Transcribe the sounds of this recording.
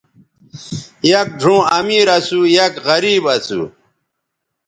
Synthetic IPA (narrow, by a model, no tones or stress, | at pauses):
jɐk̚ɖʱũːɐmiːɾɐsujɐkɣɐɾiːbɐsṵ